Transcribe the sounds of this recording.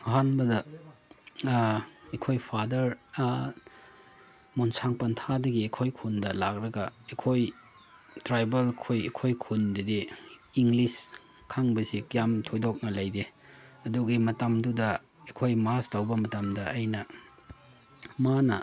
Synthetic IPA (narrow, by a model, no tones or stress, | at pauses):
ɦanbɐdɐ | ekʰojpʰadɐɾ | munsaŋpɐntʰadɐɡiekʰojkʰundɐlak̚ɾɐɡɐekʰoj | tɾajbelkʰujekʰojkʰundɐdiiŋlis | kʰaŋbɐsikjamtʰojdok̚nɐlɐjdeɐduɡimɐtɐmdudɐ | ekʰojmastɐwbɐmɐtɐmdɐːjnɐ | manɐ